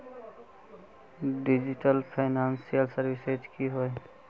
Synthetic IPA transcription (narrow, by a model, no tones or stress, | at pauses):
ɖɪd͡ʒɪʈəlpʰaɪnaːnsijəlsəɾʋɪsed͡ʒkiɦoe